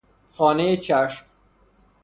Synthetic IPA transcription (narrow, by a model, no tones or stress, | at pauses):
xɒːnejet͡ʃʰæʃm